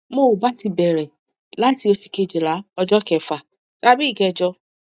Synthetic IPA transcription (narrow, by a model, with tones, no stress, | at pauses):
mo˦˨u˨ba˨˦ti˧bɛ˨ɾɛ˨ | la˦ti˧o˧fi˧ke˧˨d͡ʒe˨la˨˦ɔ˧d͡ʒɔ˦kɛ˨fa˨ | ta˦bi˦i˦˨kɛ˧d͡ʒɔ˧